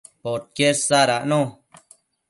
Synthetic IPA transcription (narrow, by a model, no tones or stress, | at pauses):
pot̪̚keɾsaɾaʔnõ